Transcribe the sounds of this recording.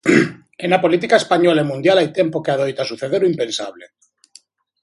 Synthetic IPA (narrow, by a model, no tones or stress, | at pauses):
enapolit̪̬ikaespaɲolaemũnd̪jalajt̪empokeað̞ojt̪asuθeðeɾuimpẽnsaβle